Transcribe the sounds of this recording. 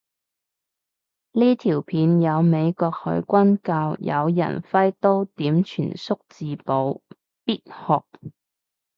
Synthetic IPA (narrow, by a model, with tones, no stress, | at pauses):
liː˥t̪ʰiː˨˩wpʰiː˨˧njɐ˨˧wme˨˧jkɔː˧k̚hɵ̰˨˧˥ɥkʷɐ˥nkaː˧wjɐ̰˨˧wjɐ̰˨˩nfɐ˥jt̪o˥wt̪iː˨˥mt͡ʃʰyː˨˩nsʊ˥k̚t͡siː˨po˨˧w | piː˥t̚hɔː˨˩k̚